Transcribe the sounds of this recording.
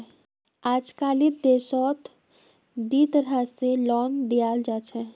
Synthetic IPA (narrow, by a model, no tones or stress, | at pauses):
ad͡ʒkalid̪esɔt̪ | d̪it̪əɾɦaselɔnd̪ijald͡ʒat͡ʃʰɛ